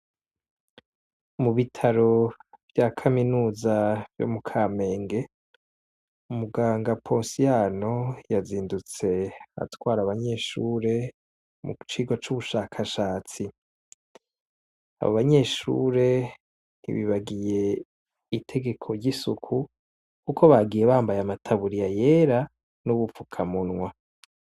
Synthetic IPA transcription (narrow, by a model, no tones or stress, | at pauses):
muβitʰaɾo̞vjakʰaminuːzavjo̰mukʰaːme̞ːŋɡe̞ | umuɡaːŋɡapʰoːnsijano̞jaziːndut͡se̞a̰twaːɾaβaɲe̞ʃuːɾe̞ | mṵt͡ʃiːɡwat͡ʃuβuʃaːkʰaʃaːt͡si | a̰βoβaɲe̞ʃṵɾe̞ | nḭβiβaɡije̞ | itʰe̞ɡe̞kʰoɾɟisukʰu | kukʰo̞βaɡije̞βaːmbajamatʰaβuɾijaje̞ɾa | nuβufukʰamunŋwa